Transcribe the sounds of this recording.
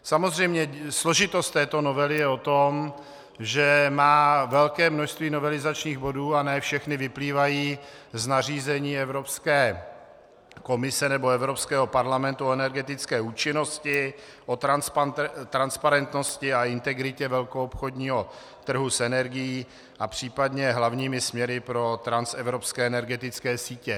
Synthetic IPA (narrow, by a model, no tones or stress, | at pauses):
samozr̝ɛjmɲɛsloʒɪt̪ost̪ːɛːt̪o̞novɛlɪjɛo̞t̪om | ʒɛmaːvɛlkɛːmnoʃst̪viːno̞vɛlɪzat͡ʃɲiːɣbo̞duːanɛːfʃɛxnɪvɪpliːvajiːznariːzɛɲiːɛvɾopskɛː | ko̞mɪsɛnɛboɛvɾopskɛːɦo̞paɾlamɛnt̪uoɛnɛɾɡɛt̪ɪt͡skɛːuːt͡ʃɪno̞scɪ | ʔot̪ɾanspt̪ɾanspaɾɛnt̪noscɪaɪnt̪ɛɡɾɪcɛvɛlkoopxo̞dɲiːɦo̞ | t̪r̩ɦusɛnɛɾɡɪjiː | ʔapr̝̥iːpadɲɛɦlavɲiːmɪsmɲɛɾɪpɾo̞t̪ɾansɛvɾopskɛːɛnɛɾɡɛt̪ɪt͡skɛːsiːcɛ